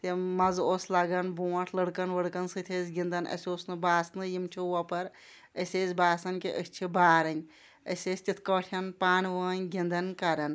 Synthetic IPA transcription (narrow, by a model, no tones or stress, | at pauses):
t̪imɐzoːslɐɡɐnbuːʈʰləɽkɐnʋəɽkɐnsɨt̪ʰeːzʲɡʲind̪ɐnʔɐ̰sʲoːsnɨbaːsnɨjimt͡ʃʰiʋɐpɐɾ | ɐsʲezʲbaːsɐnkiʔəsʲt͡ʃʰibaːɾɐnʲ | ɐsʲeːsʲt̪ʲit̪ʰkəʈʰʲɐnpaːnʲʋəːnʲɡʲind̪ɐnkɐɾɐn